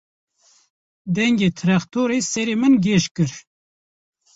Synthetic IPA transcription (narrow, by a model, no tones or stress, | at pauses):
d̪ɛŋɡeːt̪ʰɨɾɛxt̪oːɾeːsɛɾeːmɨnɡeʃkɨɾ